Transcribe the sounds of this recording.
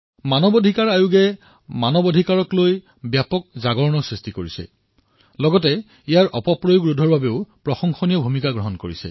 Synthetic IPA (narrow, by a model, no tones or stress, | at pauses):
manɔbɔdʱikaɹajuɡɛ | manɔbɔdʱikaɹɔkloj | bjapɔk̚zaɡɔɹnɔsɹistikoɹisɛ̰ | lɔɡɔtɛ | ijaɹʔɔpɔpɹɔjɡɹudʱɔɹbabeʊpɹɔxɔŋxɔnijɔbʱumikaɡɹɔɦɔnkoɹisɛ̰